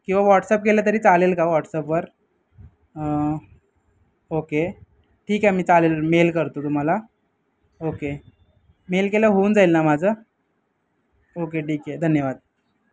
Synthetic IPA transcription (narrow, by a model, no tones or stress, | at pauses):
kĩw̃ʋaʋɔʈsəp̚kelat̪̬əɾiːt͡salelkaʋɔʈsəpʋəɾ | oke | ʈʰiːkɦɛmiːt͡salelmelkəɾt̪ot̪um̤ala | oke | melkeləɦound͡zailnamad͡zʱə | okeʈiːked̪ʱənjəʋad̪̚